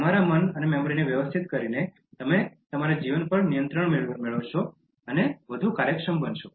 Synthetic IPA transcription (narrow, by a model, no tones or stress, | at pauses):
t̪əmaɾamənənemɛmoɾineʋjəʋəst̪ʰit̪kəɾine | t̪əmet̪əmaɾad͡ʒiʋənpəɳnijə̃nt̪ɾəɳmeɭmeɭəʋʃo | əneʋəd̪ʱukaɾjəkʃəmbənʃo